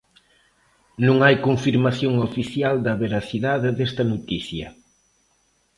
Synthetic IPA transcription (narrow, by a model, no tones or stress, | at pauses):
nũŋajkoɱfiɾmaθjoŋofiθjald̪ɐβeɾaθiðaðɪðɛst̪ɐnot̪iθjɐ